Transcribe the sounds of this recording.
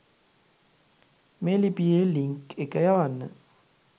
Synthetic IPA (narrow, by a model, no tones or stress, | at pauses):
melipieliŋkekːəjaʋanːə̰